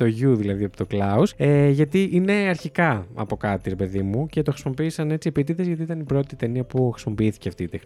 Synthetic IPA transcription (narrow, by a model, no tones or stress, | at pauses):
t̪o̞ʝuðilɐðiɐpot̪o̞klɐuseʝɐt̪iʔine̞ɐɾçikɐɐ̰po̞kɐt̪iɾepe̞ðimuce̞t̪oxɾisimo̞piːsɐne̞t͡siepit̪̬iðezʝɐt̪iit̪ɐnipɾo̞t̪it̪e̞niɐpuxɾisimo̞piiθi̥ceɐft̪iːt̪exn